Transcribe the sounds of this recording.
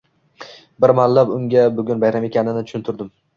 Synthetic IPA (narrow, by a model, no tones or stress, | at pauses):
bɪɾmallːapʊŋɡʲabʊɡʲʊnbajɾame̞kʲʰanɪnɪtt͡ʃʰʊ̥ʃʊnt̪ʰʊɾd̪ɪm